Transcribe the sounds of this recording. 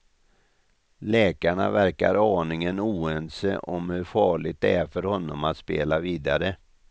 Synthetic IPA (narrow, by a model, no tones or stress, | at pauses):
lɛːkaɳa̰væɾka̰ɾɑːnɪŋənuːɛnsə̰ʔɔmhɵɾfɑːɭɪɡ̚t̪̚d̪ɛæɾfœɾhɔnːɔmat̪speːlaviːd̪aɾə